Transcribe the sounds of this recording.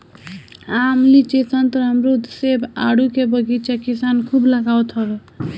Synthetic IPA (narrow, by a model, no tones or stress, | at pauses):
amlit͡ʃet̪ənt̪ɔɾɦəmɾud̪ʱseba̰ɽukebəɡit͡ʃakisankʰubləɡawt̪ɦəbe